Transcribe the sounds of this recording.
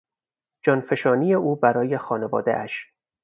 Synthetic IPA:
d͡ʒɒːnfe̞ʃɒːnijeuːbæɾɒːje̞xɒːnevɒ̰ːd̪ḛʔæʃ

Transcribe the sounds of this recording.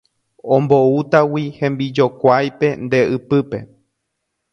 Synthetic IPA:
õmbout̪awihẽmbid͡ʒo̞kʷajpe̞nd̪e̞ɨpɨpe̞̰

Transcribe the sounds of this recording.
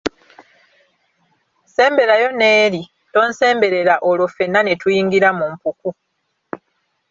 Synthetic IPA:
se̞ːmbe̞ɾajo̞neːɾi | to̞ːnse̞ːmbe̞ɾe̞ɾaʔolofe̞nːanetujiːŋɡiɾamumpuku

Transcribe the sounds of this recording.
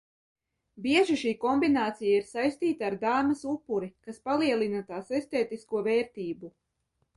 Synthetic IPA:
biɛʒiʃiːkɔmbinaːt̪sijaiɾsajst̪iːt̪aːɾd̪aːmɐsupːuɾikaspalˠiɛlˠinat̪aːsest̪eːt̪iskuɔveːɾt̪iːbu

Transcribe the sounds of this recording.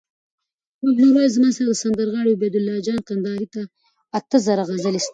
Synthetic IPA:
moɡnoɾajzmɑsaɾad̪əsand̪əɾɣɑɽebed̪ʊlːɑd͡ʒɑnqand̪ɑɾit̪aː | t̪əzaɾaɣazəlist̪

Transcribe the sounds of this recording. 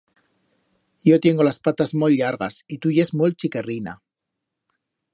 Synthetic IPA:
jo̞t̪je̞ŋɡo̞laspat̪azmoʎːaɾɣasit̪uje̞zmult͡ʃike̞rina̰

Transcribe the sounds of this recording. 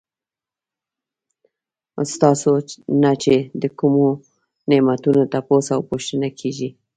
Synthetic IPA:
st̪ɑsonat͡ʃed̪əkumo | nemat̪unot̪aposawpoʃt̪ənakʰeʒi

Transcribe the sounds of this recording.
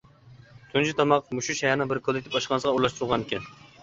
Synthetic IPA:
t̪ʰunt͡ʃʰit̪ʰɑmɑqmuʃuʃɛɦɛɾnɨŋbɪɾkʰolˠɪk̚ʲt̪ʰɪpɑʃqɑnsəʁɑuɾlˠɑʃt̪ʊɾʊʁɑnɪkʲɛn

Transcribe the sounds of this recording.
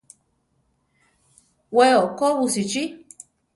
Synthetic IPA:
wɛɔkɔwusit͡ʃi

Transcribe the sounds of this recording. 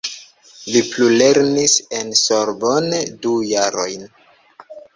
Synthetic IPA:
liplule̞ɾnise̞nsoɾbondujaɾo̞jn

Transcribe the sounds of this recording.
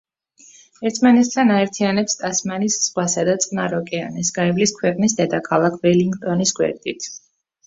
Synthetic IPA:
ɛɾt̪ʰmanɛt̪ʰt̪ʰanaɛɾt̪ʰianɛpst̪ʼasmanisz̥ʁwasad̪at̪sʼnaɾɔkʼɛa̰nɛsɡ̥aɛvliskʰwɛqʼnisd̪ɛd̪akʰalˠakʰbɛliŋɡt̪ʼɔnisɡwɛ̰ɾd̪ʼit̪ʰ

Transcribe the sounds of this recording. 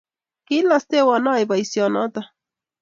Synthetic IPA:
kilast̪ewanajbajsjonot̪a

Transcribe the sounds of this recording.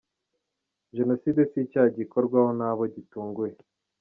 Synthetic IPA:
ʒe̞no̞siːde̞sicaɟiko̞ɾɡwahonaβo̞ɟituːŋɡuje

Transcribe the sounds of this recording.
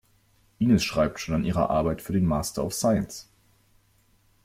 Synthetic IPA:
ʔiːnəsʃʁ̥aɪp̚tʃoːnanʔiːʁɐ̰ʔa̰ɐbaɪtfyːɐɾeːnmaːstɐɔ̰ʊfsaɪəns

